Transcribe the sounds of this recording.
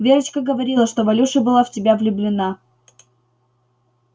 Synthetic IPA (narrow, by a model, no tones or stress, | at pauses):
vʲeɾət͡ɕkəɡəvɐɾʲilˠəʂt̪ovɐlʲuʂəbɨlˠaftʲɪbʲavlʲʊblʲɪna